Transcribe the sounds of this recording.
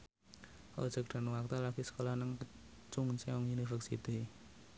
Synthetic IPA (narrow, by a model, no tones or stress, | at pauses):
ʔo̰d͡ʒ̥ə̤k̚ɖ̪̥a̤nwak̚t̪alaɡ̥isə̥kolahnəŋkə | t͡ʃuŋt͡ʃɛɔŋjunifərsḭt̪i